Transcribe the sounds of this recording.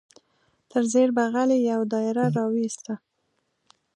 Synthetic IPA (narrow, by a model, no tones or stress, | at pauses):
t̪ʰəɾzeɾbaɣalejawd̪ɑɪɾaɾɑwist̪a